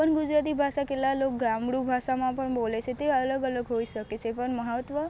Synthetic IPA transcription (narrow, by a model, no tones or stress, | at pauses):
əɳɡud͡ʒɾat̪̬ibʱaʃaketlalok̚ɡamɽubʱaʃamãpəɳbolet͡ʃʰet̪eələɡələɡɦoiʃəket͡ʃʰepəɳməɦət̪ʋə